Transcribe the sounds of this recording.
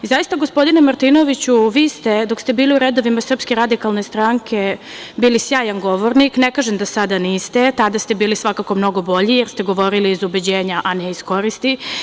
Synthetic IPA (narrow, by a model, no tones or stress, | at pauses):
izajist̪aɡo̞spo̞d̪inemaɾt̪iːno̞ʋit͡ɕuʋiːst̪e̞d̪o̞kst̪e̞biːliuɾed̪o̞ʋimasr̩pske̞ɾad̪ikalne̞st̪ɾaŋkʰe̞biːlisjaːjanɡo̞ʋo̞ɾniknekaːʒemd̪asad̪aniːst̪et̪ad̪ast̪ebiːlisʋakako̞mno̞ɡo̞bo̞ʎijeɾst̪eɡo̞ʋo̞ɾiliːzubed͡ʑeːɲaʔaneisko̞ɾist̪i